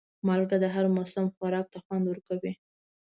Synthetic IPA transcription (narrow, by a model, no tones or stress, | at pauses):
mɑlɡad̪əɦaɾmʊsʊmxwaɾɑk̚t̪axwand̪wəɾkawi